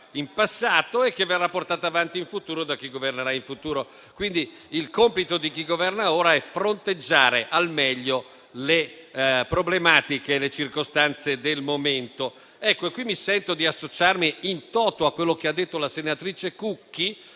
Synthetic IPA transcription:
impasːaːt̪oekːevːerːapːort̪aːt̪oavant̪iiɱfut̪uːɾod̪ak̟ːiɡoverneɾaiɱfut̪uːɾo | kwind̪i | ilkompit̪od̪ik̟iɡovɛrnaoːɾaɛfɾont̪ed͡ʒːaːɾeʔalmɛʎːo | lepɾoblemaːt̪ikeːlet͡ʃirkost̪ant̪sed̪elmoment̪o | ɛkːoekːwimːisɛnt̪od̪iasːot͡ʃarmiint̪ɔːt̪oakːwelːok̟ead̪ːet̪ːolasenat̪ɾiːt͡ʃekukːi

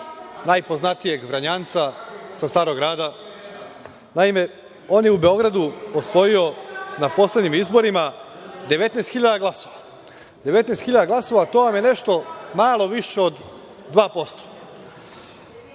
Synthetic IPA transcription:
najpo̞znat̪ije̞ɡʋɾaɲant̪sasast̪aːɾo̞ɡɾaːd̪a | naime̞ | o̞ːnjeube̞o̞ɡɾad̪uosʋo̞jio̞napo̞sled̪ɲʲimizbo̞ɾimad̪e̞ʋe̞t̪nest̪xiʎad̪aɡlˠasoʋa | d̪eʋe̞t̪neːst̪xiʎad̪aɡlˠaso̞ʋat̪o̞ʋamjene̞ʃt̪o̞maːlˠo̞ʋiʃeod̪ː | ʋaːpo̞st̪o̥

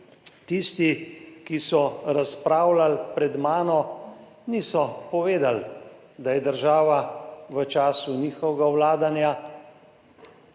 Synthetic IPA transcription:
t̪ist̪ikisɔɾaspɾaːwlalpɾɛd̪maːnɔ | nisɔpɔʋeːd̪al | d̪ajɛd̪əɾʒaːʋaʋət͡ʃaːsuniːxɔʋɛɡawlaːd̪anja

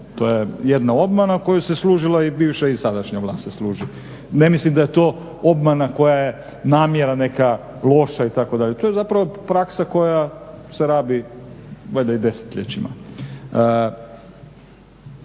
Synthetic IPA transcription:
t̪ojejed̪nao̞bmanako̞juseslˠuːʒilˠaibiːʋʃaisad̪aʃɲaʋlˠa̰ːst̪seslˠuːʒi | ne̞mislimd̪ajet̪oː | o̞bmanako̞jaje | naːmjeɾane̞ka | lˠo̞ʃait̪akod̪aʎet̪ojezapɾaʋo̞pɾaksako̞jaseɾaːbi | ɡled̪aid̪e̞se̥t̪ʎet͡ɕima̰

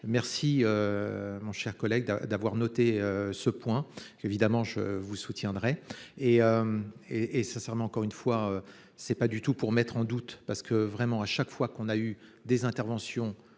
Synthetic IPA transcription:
mɛʁsiømɔ̃ʃɛʁkɔlɛɡ̚d̪ad̪avwaʁnɔt̪eøsəpwɛ̃ | evid̪amɑ̃ʒə̰vusut̪jɛ̃d̪ʁɛeømeesɛ̃sɛʁmɑ̃ɑ̃kɔʁynfwaø | sɛpad̪yt̪upuʁmɛt̪χɑ̃d̪ut̪paʁsə̥kəvʁɛmɑ̃aʃakfwakɔ̃nayd̪ezɛ̃t̪ɛʁvɑ̃sjɔ̃

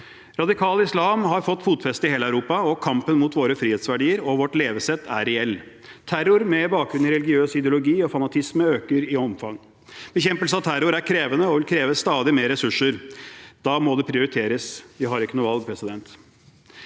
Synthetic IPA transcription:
ɾɑd̪ɪkʰɑːlɪslɑːmɦɑɾfɔt̪ːfuːt̪fɛst̪əɪheːləœʉɾuːpɑɔkʰɑmpənmuːt̪ʋoːɾəfɾiːeːt̪sʋæɖiːəɾɔʋɔʈleːʋəsɛt̪ʰːæ̰ɾɾɛɛlː | t̪ʰæɾʊɾmɛbɑːkɾʉnɪɾɛlɪɡɪøːsɪd̪ɛʊlʊɡiːɔfɑnɑt̪ʰɪsməøːkəɾɪɔmfɑŋː | b̥əçɛmpəlsəɑt̪ʰæɾʊɾæɾkʰɾeːʋənəɔʋɪlkʰɾeːʋəst̪ɑːd̪ɪmeːɾɛsʉʂəɾd̪̥ɑmɔd̪ɛpʰɾɪʊɾɪt̪ʰeːɾəsʋ̪ɪɦɑɾɪkːənuːʋɑlɡ̚pʰɾɛsɪd̪ɛnt̪

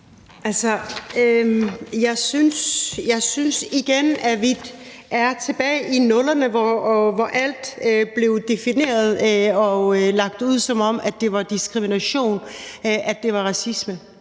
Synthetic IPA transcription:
ʔælsɐøjɑ̈ɪsynsjɑɪsynsiɡ̥enæʋid̥ | ʔæɐt͡sʰe̝b̥ɛ̰ːɪʔinɔ̽lɐnəʋɒʋɒʔæl̰d̥øb̥le̝ʊd̥e̝fine̝̰ːɐð̞ˠɒ̽lɑ̈ɡ̥̚d̥uð̞̰ˠsɒ̽mɒ̽m̰æd̥e̝ʋɑ̈d̥isɡ̥ʁiminæɕo̝̰ːnʔæd̥e̝ʋɑ̈ʁɑ̈sismə

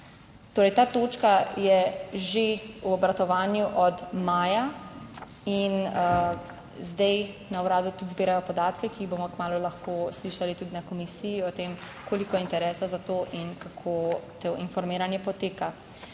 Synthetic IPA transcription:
t̪oːɾɛjt̪aːt̪oːt͡ʃkajɛʒeuɔbɾat̪ɔʋaːnjuʔɔd̪maːja | inə | zd̪ɛjnawɾaːd̪ut̪ud̪zbiːɾajɔpɔd̪aːt̪kɛkiːboːmɔkmaːlulaxkosliːʃalit̪ud̪inakɔmisijiɔt̪em | koːlikɔjɛint̪ɛɾɛːsazat̪oʔinkakʰot̪oʔinfɔɾmiːɾanjɛpɔt̪eːka

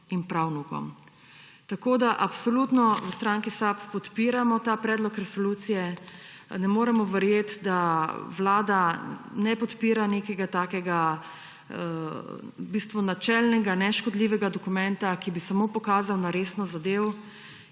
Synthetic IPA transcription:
inpɾawnukɔ̰m | t̪akoːd̪aʔapsɔlut̪nɔwəst̪ɾaŋkisapːɔt̪piːɾamɔt̪apɾɛːd̪lɔkɾɛsɔluːt̪sijɛ | nɛmoːɾɛmɔʋɛɾjeːt̪d̪aʋlaːd̪anɛpɔt̪piːɾanekɛɡat̪aːkɛɡa | bist̪ʋunat͡ʃɛlnɛɡanɛʃkɔd̪liːʋɛɡad̪ɔkumɛnt̪akibisamopɔkaːzawnaɾeːsnɔzad̪ew

